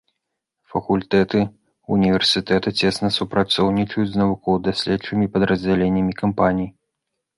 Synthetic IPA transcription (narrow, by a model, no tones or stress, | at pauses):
fɐkulʲt̪ɛt̪ɨ | unʲivʲɛrsʲɨt̪ɛt̪ɐt͡sʲɛsnɐsupɾat̪sɔwnʲit͡ʂɐjud͡zʲznɐvukɔwd̪asʲlʲɛtt͡ʂɨmʲipɐd̪ɾɐzʲd͡zʲɛlʲenʲːɐmʲikampanʲij